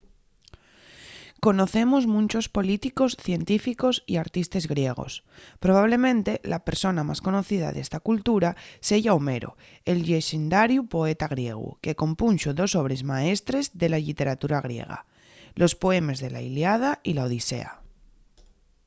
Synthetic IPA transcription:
ko̞no̞θe̞mozmũnt͡ʃo̞spo̞lit̪iko̞sθje̞nt̪ifiko̞siaɾt̪ist̪e̞zɣɾje̞ɣ̞o̞̰s | pɾo̞β̞aβ̞le̞mẽ̞nt̪e̞lʔape̞ɾso̞namasko̞no̞θið̞a̰ðe̞st̪akult̪uɾaseʝaowme̞ɾo̰ | elʎeʃind̪aɾjupo̞e̞t̪aɣ̞ɾje̞̰ɣ̞ṵke̞ko̞mpunʃoðo̞so̞β̞ɾe̞zmae̞st̪ɾe̞zðe̞laʎit̪e̞ɾat̪uɾaɣ̞ɾje̞̰ɣ̞a̰ | lʔo̞spoe̞me̞zðe̞la̰iljað̞ailaoðise̞̰a̰

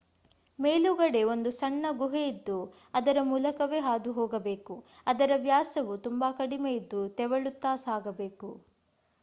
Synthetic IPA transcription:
me̞ːluɡɐɽe̞o̞nd̪usɐɳːɐɡuɦejid̪ːu | ɐd̪ɐɾɐmuːlɐkɐʋe̞ːɦaːd̪uɦoːɡɐbe̞ːku | ɐd̪ɐɾɐʋjaːsɐʋut̪umbakɐɽimejid̪ːut̪ɛʋɐɭut̪ːaːsaːɡɐbe̞ːku

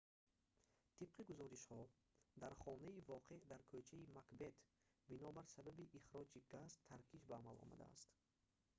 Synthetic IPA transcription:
t̪ʰib̥̚qʰiɡuzɔɾiʃhɔ | d̪aɾχɔnaivɔqʰe̞ʔd̪aɾkʰøt͡ʃʰaimakbe̞t̪ | binɔbaɾsababiʔiχɾɔd͡ʒiɡast̪ʰːaɾkʰiʃbaːmalɔ̰ma̰d̪a̰a̰st̪

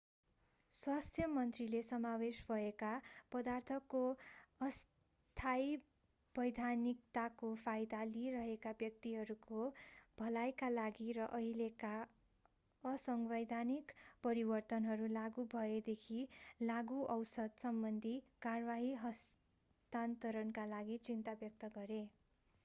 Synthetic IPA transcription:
swast̪ʰjʌmʌnt̪rilesʌmawesbʱʌekapʌd̪art̪ʰʌkːoʌs | t̪ʰaj | b̥ʌjd̪ʱanikt̪akopʰajd̪aliɾʌɦekabjʌk̚t̪iɦʌɾukobʱʌlajkalaɡiɾʌʔʌileka | ʌsʌŋbʌjd̪ʱanikpʌɾibʌrt̪ʌnɦʌɾulaɡubʱʌed̪ekʰilaɡuʔʌwsʌd̪sʌmbʌnd̪ʱikarbaɦiɦʌs | t̪ant̪ʌɾʌnkalaɡit͡sint̪abjʌk̚t̪ʌɡʌɾe

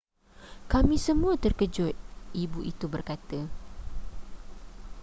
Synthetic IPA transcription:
kamĩsəmũat̪ərkəd͡ʒʊt̪̚ibuʔit̪ubərkat̪ə

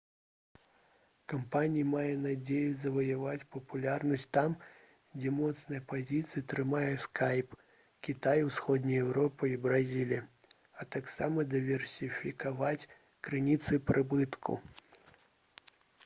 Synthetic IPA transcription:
kampanʲijimajɛnad͡zʲejuzɐvɐjavat͡sʲpɐpulʲarnɐsʲt̪am | d͡zʲɛmɔt̪snɐjɐpazʲit̪sɨjɐt̪ɾɨmajɛskʰajp | kʲit̪ajwsxɔd̪nʲɐjɛwɾɔpɨibɾazʲilʲijɐ | ɐt̪aksamɐd̪ɨvʲɛrsʲifʲikavat͡sʲ | kɾɨnʲit̪sɨpɾʔɨbɨt̪kʰṵ

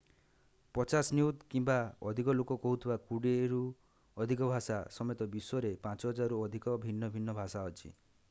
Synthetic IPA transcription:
pɔt͡ʃasniut̪kimbaɔd̪ʱikɔlokɔkɔɦut̪ʰibakuɽeɾu | ɔd̪ʱik̬ɔbʱasasɔmet̪ɔbiswɔɾepãt͡ʃɔɦɔd͡ʒaɾuɔd̪ʱikɔbʱinːɔbʱinːɔbʱasaɦɔt͡ʃʰḭ

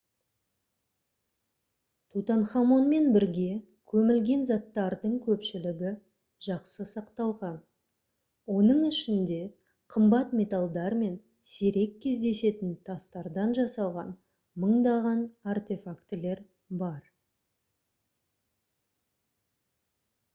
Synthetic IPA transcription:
t̪ʰut̪ɑnχɑmo̞nme̞nbɪɾɡʲe̞ | kʲʰɵmɪlɡʲe̞nzɑt̪ːɑɾd̪əɴkʲʰɵpʃɪlɪɡʲɪ | ʒ̥ɑqsəsɑqt̪ɑlˠʁɑn | wo̞nəɴɪʃɪnd̪e̞ | qʰəmbɑt̪mʲe̞t̪alˠd̪ɑɾme̞n | se̞ɾe̞kʲʰːe̞zd̪e̞se̞t̪ɪnt̪ʰɑst̪ɑɾd̪ɑnʒɑsɑlˠʁɑ̰n | məɴd̪ɑʁɑnart̪e̞fakt̪ɪle̞ɾ | bɑɾ

